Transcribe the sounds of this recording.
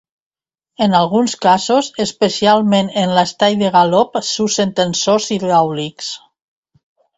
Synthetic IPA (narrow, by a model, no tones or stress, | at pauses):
enalˠɣunskazozespesialˠmẽnenlast̪ajðeɣalɔpsusent̪ensosiðawliks